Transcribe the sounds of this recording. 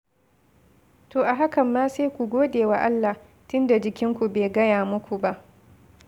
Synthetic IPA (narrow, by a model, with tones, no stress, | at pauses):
toː˨ʔa˨ɦa˦kɐ˨mːaː˦se˦jkʷu˨ɡʷoː˦deː˨wa˨ʔa˦lːa˨ | tʊ˦nda˨d͡ʒɪ˨kʲɪ˦ŋkʷu˨beː˨ɡɐ˦jaː˨mʊ˦kʷu˨ba˦ʔ